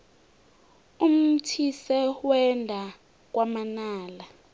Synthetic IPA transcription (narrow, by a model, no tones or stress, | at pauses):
um̩tʰisɛwɛndʱa | k̬ʼwamanaːla